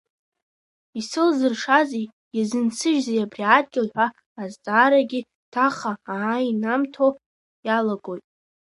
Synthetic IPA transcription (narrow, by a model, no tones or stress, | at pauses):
isɨlzɨrʂazi | jazɨnt͡sʰɨʒzejabriad̚ɡʲɪlħʷaː | ztʼaːɾaɡʲi | tʰaχaːinamtʰo | jalaɡʼo̞jtʼ